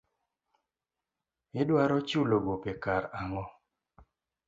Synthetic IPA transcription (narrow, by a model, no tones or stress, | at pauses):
ɪdwaɾɔt͡ʃuloɡopekaɾaŋɔ